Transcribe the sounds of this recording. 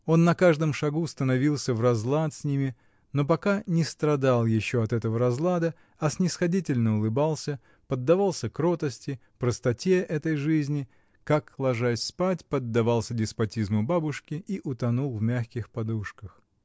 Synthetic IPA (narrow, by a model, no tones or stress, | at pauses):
o̞nːɐkaʐd̪əmʂɐɡust̪ənɐvʲilˠsʲəvrɐzlˠat̪sʲnʲimʲɪ | no̞p̬ɐkanʲɪst̪ɾɐd̪alˠjɪɕːo̞ɐt̪ɛt̪əvəɾɐzlˠad̪ə | ɐsnʲɪsxɐdʲitʲɪlʲnəʊlˠɨbalˠsʲə | pəd̪ːɐvalˠsʲəkɾo̞t̪əsʲtʲɪ | pɾəst̪ɐtʲeʔɛt̪əjʐɨzʲnʲɪ | kaklˠɐʐasʲspatʲpəd̪ːɐvɑlˠsʲədʲɪspɐtʲizmʊbabʊʂkʲɪʔiʔʊt̪ɐnulˠvmʲaxkʲɪxpɐd̪uʂkəx